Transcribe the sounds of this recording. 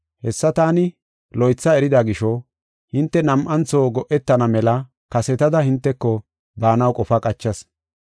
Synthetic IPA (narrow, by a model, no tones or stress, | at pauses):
hɛsːɐt̪aːnɪ | lɔjt͡sːɐɛɾɪd̪ɐɡɪʃɔ | hɪnt̪ːɛnɐmʔɐnt͡soːɡɔʔɛt̪ːɐnɐmɛlɐ | kɐsɛt̪ɐd̪ɐhɪnt̪ːɛkːɔ | baːnɐwkʼɔfɐkʼɐt͡ʃːɐs